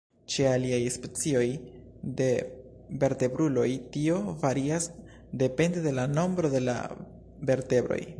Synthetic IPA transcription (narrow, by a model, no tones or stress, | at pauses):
t͡ʃe̞aliajespe̞t͡sio̞j | de̞ | ve̞ɾte̞bɾulo̞jtio̞vaɾias | de̞pe̞nde̞de̞lano̞mbɾo̞de̞la̰ | ve̞ɾte̞bɾo̞̰j